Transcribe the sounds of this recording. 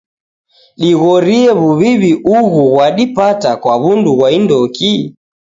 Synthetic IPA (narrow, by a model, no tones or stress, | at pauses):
ɗiɣɔɾiɛβuβiβiʔuɣuɣwaɗipatakwaβunduɣwaindɔki